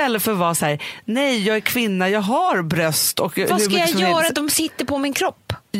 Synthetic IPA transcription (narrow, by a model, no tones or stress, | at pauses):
ɛlːəɾfœɾvɑːsæːɾnɛjjɑːɡæɾkʰvɪnːajɑːɡɦaɾbɾœst̪ɔkvaskajajœːɾat̪d̪ɔmsɪt̪ːəɾpʰɔmɪnkʰɾɔpː